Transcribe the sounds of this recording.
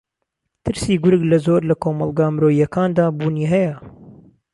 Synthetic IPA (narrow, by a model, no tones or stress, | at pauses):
t̪ʰɨɾsiːɡʊɾɨɡlɐzoːɾlɐkʰoːmɐlˠɡaːmɾoːijɐkaːnd̪aːbuːniːɦɛjɐ